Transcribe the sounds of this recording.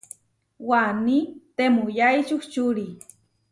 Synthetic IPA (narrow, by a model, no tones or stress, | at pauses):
wanit̪emʊjajt͡ʃuht͡ʃʊɾi